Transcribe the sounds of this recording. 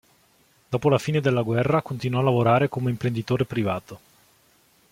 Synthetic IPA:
d̪̥ɔːpolafiːned̪elːaɡwɛrːakont̪inwɔlːavoɾaːɾekomeimpɾend̪it̪oːɾepɾivaːt̪o

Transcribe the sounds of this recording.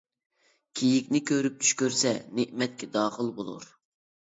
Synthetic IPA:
kʲʰejikʲnɪkʲʰøɾyp̚t͡ʃ̪ʰy̥ʃkʲøɾsɛneʔmɛt̪̚kʲʰɛd̪ɑːχəlˠbolˠṵɾ

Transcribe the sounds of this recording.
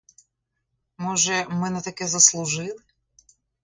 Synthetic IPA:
mɔʒɛmɪnɐt̪ɐkɛzɐslˠʊʒɪlˠɪ

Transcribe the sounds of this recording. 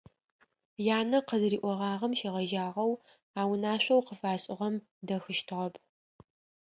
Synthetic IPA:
jaːnɐqəzriːʔʷɔʁɑːʁɐmʃɐʁɐʒaːʁɐw | aːwnaːɕʷʼɐwqəfaːɕʼɪʁɐm | dɐxɨʃtʰɨʁɐpʰ

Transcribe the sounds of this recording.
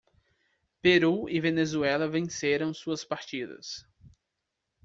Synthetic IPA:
peɾuɪvenezuɛlɐvẽseɾɐ̃w̃suɐspaɾt͡ʃid̪ɐ̰s

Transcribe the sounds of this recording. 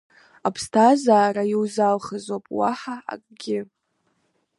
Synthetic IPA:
apʰstʰazaːɾajiwzalχazwapʼwaħaa̰kʼɡʲɪ

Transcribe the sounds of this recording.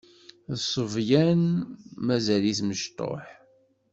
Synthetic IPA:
ðsˤəvjænmæzæliθməʃt̪ˤo̰ħ

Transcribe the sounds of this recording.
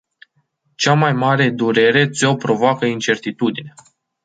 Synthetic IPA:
t͡ʃamajmaɾe̞d̪uɾe̞ɾe̞t̪seopɾo̞voakəint͡ʃe̞rt̪it̪ud̪ine

